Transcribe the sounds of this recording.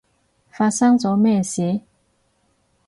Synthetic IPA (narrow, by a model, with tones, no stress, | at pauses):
fa˧sa˥ŋt͡sɔ˨˥˦mɛ˥˩ɕjɛ˨˧˦